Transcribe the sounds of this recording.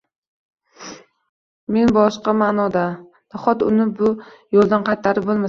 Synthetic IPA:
me̞nbɒʃqɑmanɒd̪a | d̪̥ɒχɒt̪ʊnɪbʊ | jolˠd̪anqʰɑjt̪ʰːaɾɪbolˠma

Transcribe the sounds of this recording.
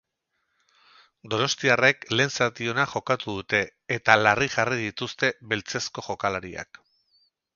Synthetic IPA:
d̪o̞no̞st̪iare̞kle̞ːnsat̪io̞naʝo̞kat̪uðut̪e̞ːt̪alariʝariðit̪ust̪e̞βe̞lt͡se̞sko̞ʝo̞kalaɾia̰k

